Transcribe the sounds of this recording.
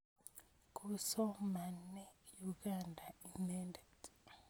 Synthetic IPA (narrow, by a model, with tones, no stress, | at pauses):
kʰuso˦ma˨ne˦juɡaːnda˨i˨neːnde˨t͡se̥